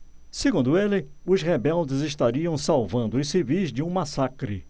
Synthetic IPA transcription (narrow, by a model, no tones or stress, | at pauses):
seɡũnd̪ʊelɪʊzʁebɛwd͡ʒɪzɪʃt̪aɾiɐ̃w̃sawvɐ̃nd̪ʊɪsivizd͡ʒɪũmasakɾɪ̰